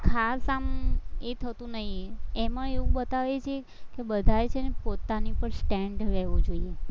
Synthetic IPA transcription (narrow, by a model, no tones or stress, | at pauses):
kʰasamet̪ʰət̪ũnəɦieməeʋũbət̪aʋet͡ʃʰe | kebəd̪ʱajt͡ʃʰenepot̪anipəɳsʈɛɳɖɾɛʋod͡ʒoie